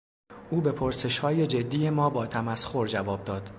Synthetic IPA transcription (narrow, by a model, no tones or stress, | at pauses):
ʔuːbe̞pʰoɾse̞ʃhɒːje̞d͡ʒe̞d̪ːiːje̞mɒːbɒːt̪ʰæmæsxo̞ɾd͡ʒævɒːb̚d̪ɒːd̪